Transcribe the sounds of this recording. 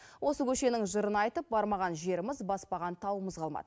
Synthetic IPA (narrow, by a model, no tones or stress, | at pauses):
wo̞səkʲʰɵʃe̞nɪŋʒəɾənɑjt̪əp̚bɑɾmɑʁɑnʒe̞ɾɪmɪzbɑspɑʁɑnt̪ʰɑwəməzqʰɑlˠmɑ̰d̪̥ə